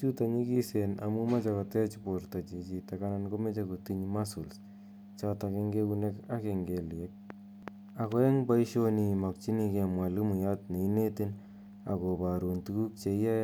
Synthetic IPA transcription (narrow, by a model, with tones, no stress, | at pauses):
t͡ʃu˦ta˨ɲi˦ki˦se˨na̰˨mu˦ma˦t͡ʃa˨ko˨tɛ˦t͡ʃpo˨ɾta˨t͡ʃi˨t͡ʃi˨ta˨ka˦na˦nko˦me˦t͡ʃako˨ti˦ɲma˦su˨ls | t͡ʃata˨ke˧ŋɡe˦ku˧ne˦ka˦ke˨ŋɡe˨ljɛ˦k̚ | a˨kwɛ˦ŋba˦iʃo˦ni˨ma˨k̚t͡ʃi˦ni˧ke˨mwa˨li˦mu˨ja˦tne˨i˦ne˦tɪ˦n | a˨ko˨ba˨ɾu˨ntu˨ku˦k̚t͡ʃe˨i˦a˦